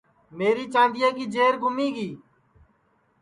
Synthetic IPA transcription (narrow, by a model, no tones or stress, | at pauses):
meːɾiːt͡ʃãːnd̪ɪjãːkiːd͡ʒeːɾɡʱʊmiːɡiː